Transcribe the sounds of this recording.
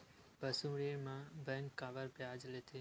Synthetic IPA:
bəsũɽemãbɛ̃ŋkːaːʋəɾbjaːd͡ʒlet̪ʰe

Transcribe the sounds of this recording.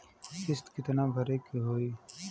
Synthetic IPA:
kɪst̪kɪt̪nabʱəɾekiɦoːiː

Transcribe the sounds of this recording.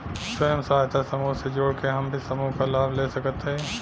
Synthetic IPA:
sɐɦəmsaːɦt̪ʰasɐmuɦsed͡ʒoːɽkeɦɐmbʱisɐmuɦkalaːblesɐkət̪ɦẽ

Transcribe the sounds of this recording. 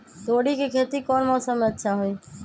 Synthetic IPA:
t̪oːɽikekʰeːt̪ikɔːnmɔːsəmːẽətːʃʰaɦoi

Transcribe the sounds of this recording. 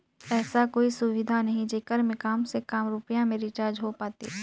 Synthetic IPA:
ɛːsakoːisʊʋɪd̪ʱanɐɦĩd͡ʒeːkəɾmẽkaːmsekaːmɾʊpjãmẽɾɪt͡ʃaːɾd͡ʒɦopaːt̪ḭ

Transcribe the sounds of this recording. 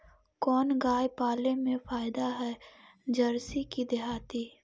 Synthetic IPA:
kɔːnɡaːjpaːlemẽfaːjɪd̪aɦɛːd͡ʒɐɾsikid̪ɪɦaːt̪i

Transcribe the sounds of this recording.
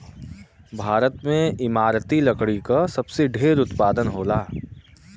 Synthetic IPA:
bʱaːɾət̪mẽɪmaːɾt̪ilɐkɽikasɐbseɖʱeːɾʊt̪paːd̪ənɦoːlaː

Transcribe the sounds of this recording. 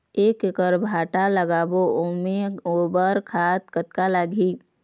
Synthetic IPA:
eːkekəɾbʱaːʈaləɡaːboomeoːbəɾkʰaːt̪kət̪kalaːɡʱiː

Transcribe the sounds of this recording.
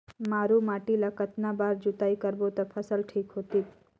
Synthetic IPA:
maːɾumaːʈilakət̪nabaːɾd͡ʒut̪aːikəɾbot̪ɔpʰəsəlʈʰiːkɦoːt̪it̪

